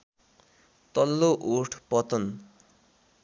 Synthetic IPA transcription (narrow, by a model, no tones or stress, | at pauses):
t̪ʌlːoʔuʈʰpʌt̪ʌn